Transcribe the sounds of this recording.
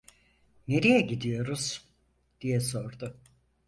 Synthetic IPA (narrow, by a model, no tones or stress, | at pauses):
ne̞ɾijɛɟid̪ijo̞ɾuz̥ | d̪̥ijɛso̞ɾd̪ʊ